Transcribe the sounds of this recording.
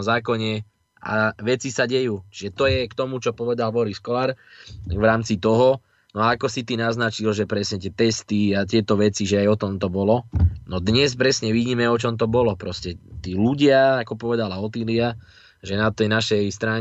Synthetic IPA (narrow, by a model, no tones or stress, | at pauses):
mzaːkɔɲɛ | ʔa̰ʋɛt͡sisaɟɛjuːt͡ʃiʒɛt̪ɔjɛkt̪ɔmut͡ʃɔpɔʋɛd̪albɔɾiskɔlaɾʋɾaːmt͡sit̪ɔɦɔ | nɔaakɔsit̪inaznat͡ʃilʒɛpɾɛsɲɛt̪̬ɪɛt̪ɛst̪iat̪ɪɛt̪ɔʋɛt͡siʒɛajɔt̪ɔmt̪ɔbɔlɔnɔd̪ɲɛspɾɛsɲɛʋiɟiːmɛɔt͡ʃɔmt̪ɔbɔlɔpɾɔscɛt̪iːluɟɪaakɔpɔʋɛd̪alaɔt̪ilia | ʒɛnat̪ɛjnaʃɛjst̪ɾaːŋ